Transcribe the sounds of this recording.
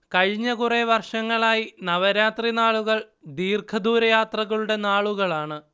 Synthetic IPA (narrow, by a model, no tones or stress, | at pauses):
kɐɻiɲːɐɣureʋɐrʂɐŋːɐɭaːjinɐʋɐɾaːt̪rinaːɭuɣɐɭ | d̪iːrkʰɐd̪uːɾɐjaːt̪rɐɣɐɭuɽe̞naːɭuɣɐɭaːɳɨ